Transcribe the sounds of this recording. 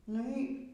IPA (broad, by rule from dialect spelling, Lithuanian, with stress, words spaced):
ˈnʊ iː